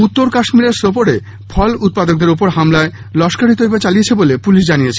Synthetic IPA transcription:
ut̪ːoɾkaʃmiɾeɾsopoɽe | fʰɔlut̪̚pad̪ok̚d̪eɾop̬oɾɦamlae | lɔʃkaɾit̪oɦebet͡ɕaliet͡ɕʰebolepuliʃd͡ʑanijet͡ɕʰe

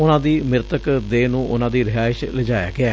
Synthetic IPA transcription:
ʊnãːd̪iːmɪɾt̪əkd̪eːnũːʔʊnãːd̪iːɾɪɦaːʃləd͡ʒaːja̰ːɡɪaː

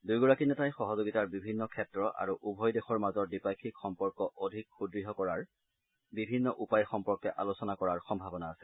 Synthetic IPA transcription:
dujɡɔɹakinɛtajxɔɦɔzoɡitaɹbibʱinːɔkʰɛtɹɔʔa̰ɹuʔubʱɔjdexɔɹmazɔɹdipajkʰikxɔmpɔɹkɔʔodʱikxudɹiɦɔkɔɹaɹ | bibʱinːɔʔupajxɔmpɔɹkɛʔalosɔnakɔɹaɹxɔmbʱabɔnaːsɛ

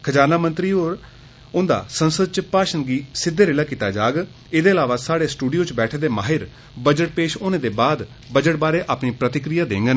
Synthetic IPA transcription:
kʰəd͡ʒaːnaːmənt̪ɾiːoːɾ | ʊnd̪a̰ːsənsəd̪t͡ʃəpaːʃənɡiːsɪd̪ːeːɾeːlaːkiːt̪aːd͡ʒaːɡ | eːd̪eːəlaːʋaːsaːɽeːsʈuːɖijoːt͡ʃbɛːʈʰeːd̪eːmaːɦɪɾ | bəd͡ʒəʈ̚peːʃoːnẽːd̪eːbaːd̪ | bəd͡ʒəʈ̚baːɾeːʔaːpniːpɾət̪ɪkɾɪjaːd̪eːŋɡən

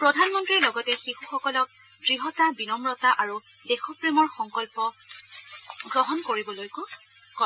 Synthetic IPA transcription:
pɹɔdʱanmɔntɹiɹlɔɡɔtɛxixuxɔkɔlɔk̚ | dɹiɦɔtabinɔmɹɔtaʔaɹu | dexɔpɹemɔɹxɔŋkɔlpɔ | ɡɹɔɦɔnkoɹibɔlojkʊ | kɔ

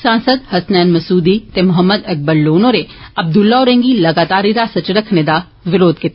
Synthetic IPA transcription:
sãːnsəd̪hɐsnɛːnmɐsuːd̪it̪emʊɦəmːəd̪ɐk̚bəɾloːnoɾeɐb̚d̪ʊlːaɔːɾẽːŋɡilɐɡaːt̪aːɾiɾasɐt͡ʃɾəkʰned̪a | ʋɪɾoːd̪kit̪

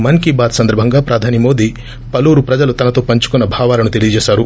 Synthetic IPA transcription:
mɐnkibaːd̪sɐnd̪ɐɾbʱɐŋɡaːpɾɐd̪ʱaːnimo̞ːd̪i | pɐluːɾupɾɐd͡ʒɐlut̪ɐnɐt̪o̞ːpɐɲt͡ʃu̥kunːɐbʱaːʋaːlɐnut̪e̞lijɐd͡ʒɛːʃaːɾu

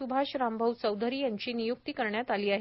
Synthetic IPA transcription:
ubʱaɕɾambʱəwt͡səwd̪ʱəɾiːjaɲt͡ɕiːnijuk̚t̪iːkəɾɳjat̪aliːaɦ

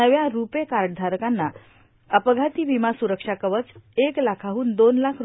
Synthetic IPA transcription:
əʋjaɾupekaɾʈ̚d̪ʱaɾkanːa | əpɡʱat̪iːʋimasuɾəkʂakəʋət͡seklakʰaɦuːnd̪onlakʰ

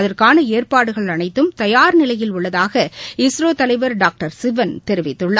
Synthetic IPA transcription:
ɐðɐrkaːnɐeːrpaːɽɯɣɐɭɐnɐɪt̪ːɯmt̪ɐjaːɾnɪlɐjɪlʊɭːɐðaːɣɐɪsɾoːt̪ɐlɐɪʋɐɾɖaːk̚ʈɐɾsɪʋɐnt̪ɛɾɯʋɪt̪ːɯɭːa

